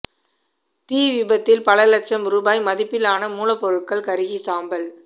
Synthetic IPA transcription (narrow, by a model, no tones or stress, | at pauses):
t̪iːʋɪbɐt̪ːɪlpɐlɐlɐt͡ʃːɐmɾuːbaːjmɐðɪpːɪlaːnɐmuːlɐpːɔɾɯʈ̚kɐɭkɐɾɯɣisaːmbɐl